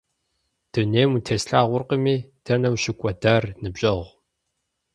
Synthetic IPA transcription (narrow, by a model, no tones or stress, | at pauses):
d̥ɨneːmutʰeːsɬaːʁʷʊrqəmiːd̥ɐnɐwɕɪkʷʼɔdaːrnɨbɕʼɐʁʷ